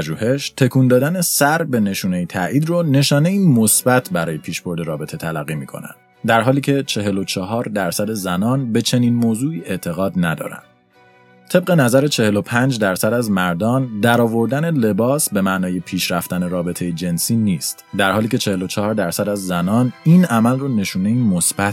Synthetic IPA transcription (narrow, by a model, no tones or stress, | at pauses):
ʒuːhe̞ʃt̪ʰe̞kʰuːnd̪ɒːd̪æne̞sæɾbe̞ne̞ʃuːnejit̪ʰæ̰ʔiːd̪rone̞ʃɒːne̞imosbæt̪ʰbæɾɒːjepʰiːʃb̥o̞ɾd̪e̞ɾɒːbe̞t̪ʰe̞t̪ʰælæ̰ɣːimiːkʰo̞̰næ̰nd̪ | d̪æɾɦɒːliːcʰe̞t͡ʃʰe̞ɦe̞lo̞t͡ʃʰɒɦɒːɾd̪æɾsæd̪ezænɒːnbe̞t͡ʃʰe̞niːnmoːzuːiːʔe̞ʔt̪ʰe̞ɣɒːd̪næd̪ɒ̰ːɾæ̰nd̪̥ | t̪ʰe̞b̚ɣe̞næzæɾet͡ʃʰe̞he̞lo̞pʰænd͡ʒd̪æɾsæd̪æzmæɾd̪ɒːnd̪æɾɒːvo̞ɾd̪æne̞le̞bɒːsbe̞mæʔnɒːje̞pʰiːʃɾæft̪æne̞ɾɒːbe̞t̪ʰe̞jed͡ʒe̞nsiːniːst̪d̪æɾhɒːliːcʲʰe̞t͡ʃʰe̞he̞lo̞t͡ʃʰɒhːɾd̪æɾsæd̪æzːænɒːniːnæmælrone̞ʃuːne̞imosb̥æt̪